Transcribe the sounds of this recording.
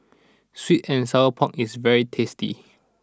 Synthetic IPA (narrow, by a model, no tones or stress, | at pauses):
switɛ̃nsaəpʰɔ̃kisvɛɹitʰestḭ